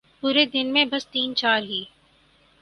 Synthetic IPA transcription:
puːɾed̪ɪnmẽbɐst̪iːnt͡ʃaːɾɦiː

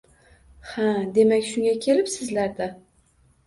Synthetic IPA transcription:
had̪e̞makʲʃʊŋɡʲakʲʰe̞lɪpsɪzlaɾd̪a

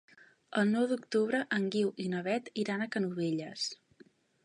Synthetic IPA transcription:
əlˠnɔwd̪ukt̪uβ̞ɾəʔəŋɡiwʔinəβɛt̪iɾanəkənuβeʎəs

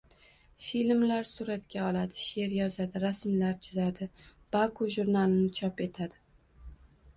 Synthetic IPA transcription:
filmlaɾsʊɾat̪kʲaɒlad̪ɪʃe̞ɾjɒzad̪ɪɾasmlaɾt͡ʃʰɪzad̪ɪb̥akʰoʒuɾnalˠɪnɪt͡ʃʰɒpe̞t̪ʰad̪ɪ

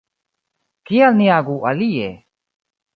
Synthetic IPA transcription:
kijalnijaɡuʔalije

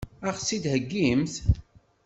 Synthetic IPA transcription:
æχsid̪həɡːimθ

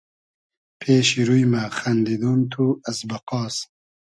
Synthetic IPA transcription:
pʰeːʃiɾujmɐxɐnd̪id̪uːnt̪ʰuɐsbɐqɑːs

